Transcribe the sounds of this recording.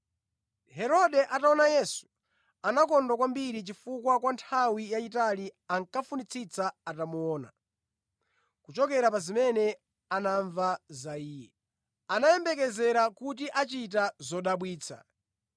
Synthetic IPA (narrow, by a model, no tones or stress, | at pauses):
hɛɾɔɗɛʔataɔnajɛsu̥ | anak̬ɔndwakwambiɾit͡ʃifukwakwantʰawijaitaliaŋkafunit͡sʰit͡saatamuɔːna̰ | kut͡ʃɔkɛɾapazimɛnɛ | anaɱvazaiːjɛ | anajɛmbɛk̬ɛzɛɾakutiʔat͡ʃit̬azɔɗaɓwiːt͡sʰa̰